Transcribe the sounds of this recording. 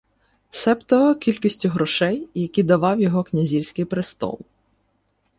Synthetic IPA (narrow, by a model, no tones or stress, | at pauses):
sɛpt̪ɔɦɔkʲilʲkisʲtʲʊɦɾɔʃɛjjɐkʲid̪ɐʋɑwjɔɦɔknʲɐzʲiwsʲkɪjpɾɪst̪ɔ̰lˠ